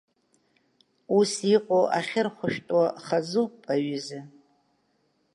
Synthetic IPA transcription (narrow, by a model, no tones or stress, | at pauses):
usiqʷʼoʔaχʲɪrχʷʊʃᶣtʼwaχazupʼaɥɪzɪ